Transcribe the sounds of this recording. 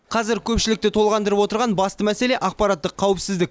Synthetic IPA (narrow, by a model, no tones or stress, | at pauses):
qʰɑzɪɾkʲʰɵpʃɪlɪk̚t̪e̞t̪ʰo̞lˠʁɑnd̪əɾəpwo̞t̪əɾʁɑnbɑst̪əmæse̞le̞ʔɑqpɑɾat̪ːəqʰːɑwɪpsɪzd̪ɪk̚ʲ